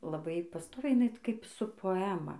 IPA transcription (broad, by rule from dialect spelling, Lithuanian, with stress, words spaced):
lˠɐˈbɐɪ pɐˈstoːʋʲɛɪ jɪˈnɐɪ kɐɪp sʊ poːˈæːmɐ